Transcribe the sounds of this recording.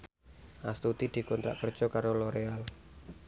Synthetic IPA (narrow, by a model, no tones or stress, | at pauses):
ʔast̪ut̪id̪̥i̤kɔnt̪ɾa̰ʔkər̥ʒ̥ɔkaɾoloɾeal